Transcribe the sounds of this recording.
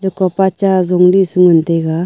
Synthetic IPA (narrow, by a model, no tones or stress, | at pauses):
lɯkɔpat͡ʃazɔŋlisuŋɯnt̪eɡa